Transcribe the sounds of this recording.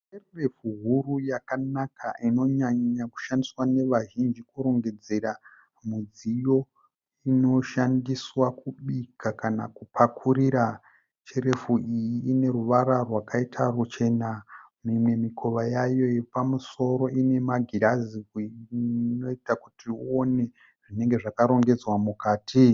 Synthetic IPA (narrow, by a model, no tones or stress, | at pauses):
t͡ʃererefuɦurujakanakʰa̰ʔino̞ɲaɲaku̥ʃandiswane̞ʋaʒind͡ʒikuɾo̞ŋɡe̞d͡ze̞ɾa | mud͡zijo̞ | ino̞ʃandiswakuɓikʰakana̰kupʰakʰuɾiɾa | t͡ʃeɾe̞fuʔijiːne̞ɾuʋaɾarwakaitʰarut͡ʃe̞namimwe̞mikʰo̞ʋajajo̞jepamuso̞ɾo̞ʔine̞maɡʱiɾazikwino̞itakutʰiuo̞ne̞ | ʐ̥ine̞ŋɡe̞ʐakaɾo̞ŋɡe̞d͡zwamukaːti